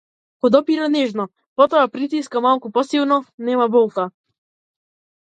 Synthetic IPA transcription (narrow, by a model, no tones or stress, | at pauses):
kɔd̪ɔpiɾanɛʒnɔ | pɔt̪ɔapɾit̪̬iskamalˠkupɔsilˠnɔnɛmabɔlˠka